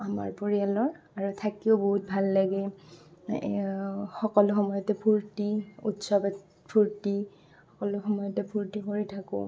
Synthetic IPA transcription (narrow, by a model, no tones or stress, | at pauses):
ama̰ɹpoɹialɔɹ | aɹutʰakioboɦut̚bʱalːaɡɛ | xɔkɔlʊxɔmɔjɔtɛpʰuɹtiutsɔbɛ | pʰuɹti | xɔkɔlʊxɔmɔjɔtɛpʰuɹtikoɹitʰakʊ̰